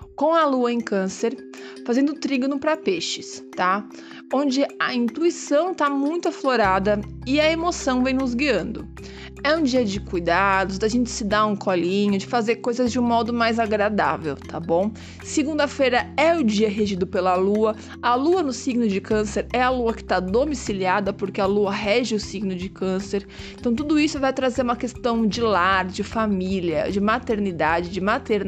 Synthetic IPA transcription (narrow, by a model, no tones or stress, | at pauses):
kõw̃ɐluɐẽkɐ̃seɾ | fazẽnd̪ʊt̪ɾiɡnʊpɾɐpeʃɪst̪a | õnd͡ʒɪɐĩnt̪uisɐ̃w̃t̪amũj̃t̪ʊafloɾad̪ɐɪɐemosɐ̃w̃vẽj̃nʊzɡiɐ̃nd̪ʊ | ɛũd͡ʒiɐd͡ʒɪkujd̪ad̪ʊzd̪aʒẽnt͡ʃɪ̥sɪd̪aũkʰɔlĩɲʊd͡ʒɪfazeɾkojzɐzd͡ʒɪũmɔd̪ʊmajzaɡɾad̪a̰vḛwt̪ʰabõ | sɪɡũnd̪ɐfejɾɐɛʊd͡ʒiɐɦeʒid̪ʊpelɐluɐ | ɐluɐnʊsiɡnʊd͡ʒɪkɐ̃seɾɛɐluɐkɪ̥t̪ad̪omisiliad̪ɐpoɾkɪaluɐɦɛʒɪʊsiɡnʊd͡ʒɪkɐ̃seɾ | ẽnt̪ɐ̃w̃t̪ud̪ʊisʊvajt̪ɾazeɾũmɐkest̪ɐ̃w̃d͡ʒɪlaɾd͡ʒɪfamiliɐ̰d͡ʒɪmat̪eɾnid̪ad͡ʒɪd͡ʒɪmat̪eɾ